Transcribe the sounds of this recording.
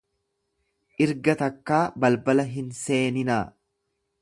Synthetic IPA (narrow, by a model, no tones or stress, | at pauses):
ʔɪɾɡɐt̪ɐkːaːbɐlbɐlɐɦɪnse̞ːnɪnaː